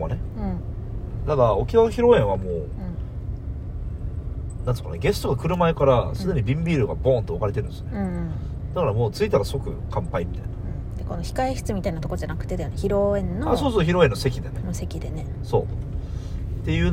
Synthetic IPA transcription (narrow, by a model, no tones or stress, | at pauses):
a̰neɯ̟̃ | t̪ad̪ao̞kʲinanoçiɾo̞ẽ̞ɰ̃βamõː | nãnesokːa̰naɡe̞sɨ̥t̪oɡakɯ̟ɾɯ̟maekaɾasɨd̪e̞ɲ̟ibʲĩmbʲiːɾɯ̟ɡa̰bõ̞ːnt̪oakaɾe̞t̪eɾɯ̃nsjoneɯ̃ | d̪̥akaɾamoːt͡sɨit̪aɾaso̞kɯ̟̰kʰãmpaimʲit̪a̰inaɯ̃ | d̪̥eko̞no̞çi̥kaiçi̥t͡sɨmʲit̪ainat̪okood͡ʑanakɯ̟̥t̪e̞d̪ajoneçiɾoẽ̞nːoasoːsoːçʲiɾo̞e̞nːo̞se̞kʲid̪e̞nenose̞kʲid̪e̞ne | so̞̰ː | t̪e̞jɯ̟ːn